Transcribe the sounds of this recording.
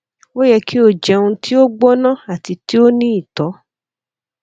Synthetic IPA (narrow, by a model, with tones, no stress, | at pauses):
o˦jɛ˧ki˦o˦˨d͡ʒɛ˧ũ˧ti˦o˦ɡ͡bɔ˦nã˦˨a˨ti˧ti˦o˦nĩ˦i˦˨tɔ˨˦